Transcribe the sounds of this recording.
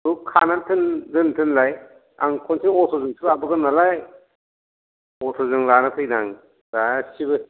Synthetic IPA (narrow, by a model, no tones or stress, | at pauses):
ukʰanantʰɯnzɯntʰɯnlaj | aŋkʰɔnsʰiŋɔtʰɔzɯŋtʰɯɾabɯɡɯnalaj | ɔtʰɔzɯŋlanɯtʰɯjnaŋ | dasiβɯ